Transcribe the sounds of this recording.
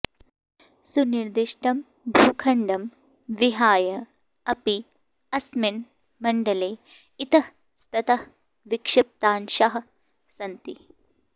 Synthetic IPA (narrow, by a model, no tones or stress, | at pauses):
suniɾd̪iʃʈɐm | bʱuːkʰɐɳɖɐm | ʋiɦaːjɐ | ɐpi | ɐsmin | mɐɳɖɐleː | it̪ɐh | st̪ɐt̪ɐh | ʋikʂɐp̚t̪aːnʃɐɦɐ̆ | sɐnt̪i